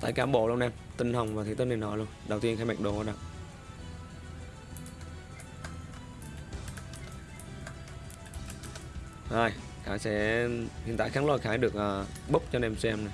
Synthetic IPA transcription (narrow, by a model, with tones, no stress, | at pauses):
t̪a̰ː˧˨jkaː˨˦mɓo̰˧˨lu˧nʔɛ˧mt̪ï˧ŋ̟hə˨˩wŋ͡mvaː˨˩t̪ʰi˨˦t̪ə˧ni˨˩nɔ˨˦lu˧ənɗə˨˩wt̪i˧ənxaː˧˦jma˨˩k̚ɗo˨˦ɗa˧˦ | zə˧˩j | xaː˧˦jsɛ̰˧˥hḭ˨nt̪a̰ː˧˨xaː˨˦ŋlɔ˨˩xaː˨˦jɗɨ˨˩ək̚ʔəː˨˩ɓə˦˥k͡p̚t͡ɕɔ˧ne˧msɛ˧mna˨˩j